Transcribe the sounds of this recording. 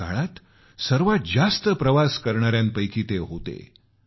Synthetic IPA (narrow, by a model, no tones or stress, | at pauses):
a̰ɭat̪ | səɾʋat̪̚d͡zast̪əpɾəʋaskəɾɳaɾjãnpəjkʰiːt̪eɦot̪ḛ